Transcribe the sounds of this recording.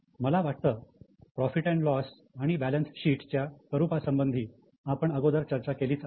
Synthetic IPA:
məlaʋaʈ̚t̪əːpɾɔfiʈɛ̃ɳʈlɔs | aɽ̃ibælənsɕiːʈt͡ɕjakəɾupasəmbənd̪ʱiː | apəɳəɡod̪əɾt͡ɕəɾt͡ɕakeliːt͡s

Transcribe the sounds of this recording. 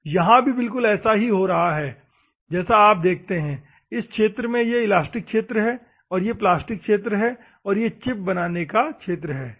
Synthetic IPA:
jɐɦãbʱibɪlk̬ʊlɛːsaɦiɦoɾɐɦaɦɛː | d͡ʒɛːsaaːp̚d̪eːk̚ʰt̪eɦɛ̃ː | ɪskʃeːt̪ɾəmẽjeɪlaːsʈɪkːʃeːt̪ɾəɦɛː | ɔːɾjeplaːsʈɪkkʃeːt̪̬ɾəɦɛ | ɔːɾjet͡ʃɪp̚bɐnaːnekakʰʃeːt̪ɾəɦɛː

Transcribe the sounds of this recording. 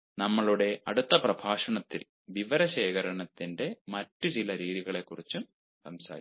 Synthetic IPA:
nɐmːɐɭuɽe̞ɐɽut̪ːɐprɐbʱaːʂɐɳɐt̪ːḭl | ʋiʋɐɾɐɕe̞ːkɐɾɐɳɐt̪ːinde̞mɐtːut͡ɕilɐɾiːðiɣɐɭe̞kːurit͡ɕːum | sɐmsa̰ːɾi

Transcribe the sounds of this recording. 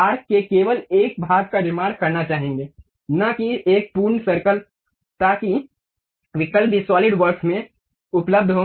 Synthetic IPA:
aːɾkkekeːʋəleːk̚bʱaːɡ̚kaɾɪmãːɖkɐɾnat͡ʃaːɦẽːŋɡeː | nakieːk̚puːɾɳsɐɾkəl | t̪aːki | ʋɪkəlpisɔːlɪɖʋəɾksmẽ | ʊpləb̚d̪ʱɦoː

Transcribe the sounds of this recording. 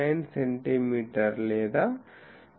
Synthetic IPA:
ajnseɳʈimiːʈɐɾlɛːd̪a

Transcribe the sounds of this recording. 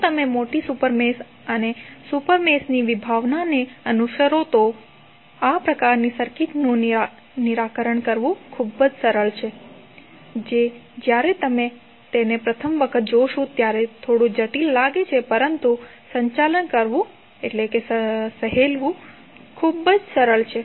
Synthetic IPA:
t̪əmemoʈisupəɾmes | ənesupəɾmesniʋibʱaʋnaneənuʃəɾot̪o | apɾəkaɾnisəɾkit̪nũ | niɾakəɾəɳkəɾʋũkʰubːəd͡ʒsəɾəɭt͡ʃʰe | d͡ʒed͡ʒjaɾet̪əme | t̪enepɾət̪ʰəmʋəkʰət̪̚d͡ʒoʃũt̪jaɾet̪ʰoɽũd͡ʒəʈilːaɡet͡ʃʰepəɾənt̪u | sə̃ɲt͡ʃalənkəɾʋũ | eʈlekesəsəɦelʋũ | kʰubəd͡ʒsəɾəɭt͡ʃʰe

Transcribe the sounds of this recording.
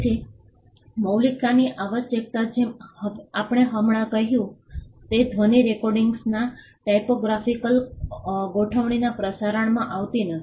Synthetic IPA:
tʰi | məwlikaniʔaʋəʃjək̚t̪ad͡ʒe | apɽ̃eɦəmɳakəɦjũt̪ed̪ʱʋəniɾekɔɾɖiŋɡsna | ʈajpoɡɾafikəl | ɡoʈʰəʋɳ̃inapɾəsaɾəɳmãʔaʋt̪inə

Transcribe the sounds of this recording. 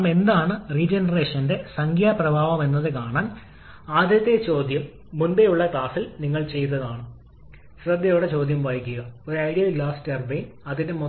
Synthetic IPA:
me̞nd̪aːɳɨriːd͡ʑenɐre̞ːʂɐnde̞sɐŋɡiɐprɐbʱaːʋɐme̞nːɐðɨkaːɳaːn | aːd̪ʱjɐt̪ːet͡ɕo̞ːd̪jɐmː | unbejuɭːɐkɭaːsilniŋːɐɭt͡ɕe̞jt̪̬ːɐðaːɳɨ | ɕrɐd̪ːɐjoːɽet͡ɕo̞ːd̪ʱjɐmʋaːjikʲːuɣɐoɾɐjɽijɐlaːstɐrbejnɐðinde̞mo

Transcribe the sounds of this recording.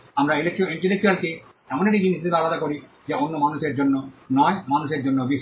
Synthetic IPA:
amɾailek̚ʈɾoiɳʈelek̚ʈualke | ɛmoneʈid͡ʑinisd̪ʱebealad̪akoɾi | d͡ʑeonːomanuʃeɾd͡ʑonːonɔemanuʃeɾd͡ʑonːobiʃ

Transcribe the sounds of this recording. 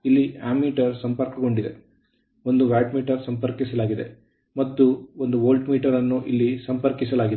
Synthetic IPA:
ilːia̰ːmːiːʈɐɾsɐmpɐɾkɐɡo̞ɳɖid̪e̞̰ | o̞nd̪uʋaːʈmiːʈɐɾsɐmpɐɾkisɐlaːɡid̪ḛ | mɐt̪ːuond̪uʋoːlʈmiːʈɐɾɐnːuʔilːisɐmpɐɾkisɐlaːɡid̪

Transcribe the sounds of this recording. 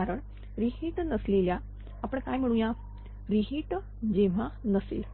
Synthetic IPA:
aɾəɳ | ɾiɦiʈnəsleljaː | pəɳkajm̤əɽ̃uːja | ɾiɦiʈ | d͡ʑeʋanəsḭl

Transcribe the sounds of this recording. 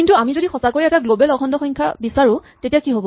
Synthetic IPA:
kintuamizodixɔsakoɹiɛtaɡlobɛlɔkʰɔndɔxɔ̃jŋkʰabisaɹʊ̃tetijakiɦobɔ

